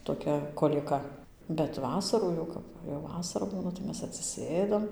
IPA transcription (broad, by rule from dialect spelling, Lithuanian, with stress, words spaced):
toːˈkʲɛ koːlʲiɛˈkɐ bʲɛt ˈʋɑːsɐruː jɛʊ ˈkɐp ˈʋɐ jɛʊ ˈʋɑːsɐrɐ ˈbuːnɐ tɐɪ ˈmʲɛs ɐtʲsʲɪˈsʲeːdɐm